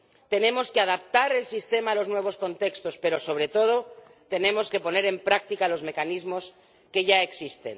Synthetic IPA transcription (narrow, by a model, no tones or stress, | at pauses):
t̪e̞nẽ̞mo̞skeaðap̚t̪aɾe̞lsist̪e̞maːlo̞znwe̞β̞o̞sko̞nt̪e̞kst̪o̞spe̞ɾo̞so̞β̞ɾe̞t̪o̞ð̞o̞ | t̪e̞nẽ̞mo̞ske̞po̞ne̞ɾe̞mpɾak̚t̪ikalo̞zme̞kanizmo̞s | ke̞ʝae̞ksist̪e̞̰n